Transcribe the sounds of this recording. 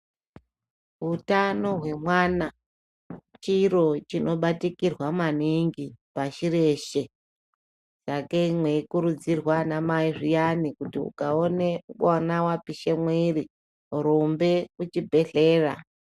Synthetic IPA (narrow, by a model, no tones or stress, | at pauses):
ɦutano̞ɦwe̞mwana | t͡ʃiɾo̞t͡ʃino̞ɓatikirwamaniŋɡipaʃiɾe̞ʃe̞ | sakeimweikuɾud͡zirwanamaiʐijanikutiṵkaonekanawapiʃe̞mwiɾi | uɾombe̞kut͡ʃibʱe̞ɮe̞ːra̰